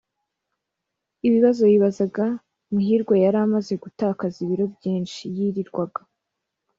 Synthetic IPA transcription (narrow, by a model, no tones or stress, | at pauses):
iβiβazo̞jiβazaɡa | muɦiɾɡwajaɾamaze̞ɡutaːkaziβiɾo̞bjiːnʃijiɾiɾɡwaɡa